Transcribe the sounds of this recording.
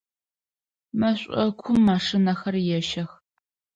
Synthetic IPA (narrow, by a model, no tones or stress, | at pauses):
mɐɕʷʼɔkʷʰʊmːaːʂɨnɐxɐrjɛʃɐx